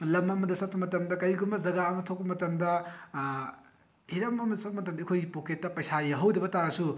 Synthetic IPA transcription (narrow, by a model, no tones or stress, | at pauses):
lɐmɐmɐdɐsɐt̚pɐmɐtɐmdɐkɐjɡumbɐzɐɡaɐmɐtʰok̚pɐmɐtɐmdɐ | hiɾɐmɐmɐdɐsɐt̚mɐtɐmɐkʰojɡipoketːɐpɐjsajɐɦɐwdɐbɐtanɐsu